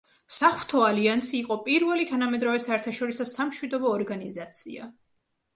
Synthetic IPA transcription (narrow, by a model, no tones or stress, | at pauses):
saχwɾt̪ʰɔaliansiːqʼɔpʼiɾvɛlit̪ʰanamɛd̪ɾavɛsaɛɾt̪ʰaʃɔɾisɔsamʃwid̪ɔbɔːɾɡanizat̪sʰḭa̰